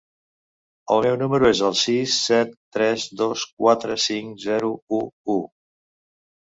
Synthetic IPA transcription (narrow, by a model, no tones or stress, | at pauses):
əlˠmɛwnuməɾuezəlˠsisːɛt̪ːɾɛzðoskwat̪ɾəsiŋzɛɾuuu